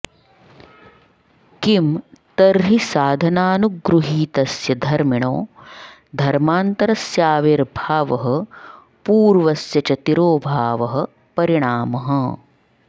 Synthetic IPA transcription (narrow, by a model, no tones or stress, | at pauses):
kimt̪ɐɾɦisaːd̪ʱɐnaːnuɡɾuɦiːt̪ɐsjɐd̪ʱɐɾmiɳo̰ː | d̪ʱɐɾmaːnt̪ɐɾɐsjaːʋeɾbʱaːʋɐɦɐ̆ | puːɾʋɐsjɐt͡ʃɐt̪iɾoːbʱaːʋɐɦɐ̆ | pɐɾiɳaːmɐɦɐ̆